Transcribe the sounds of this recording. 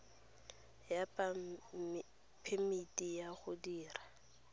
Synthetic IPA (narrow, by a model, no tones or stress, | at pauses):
jap | pʰɪmitʼijaχʊdiːra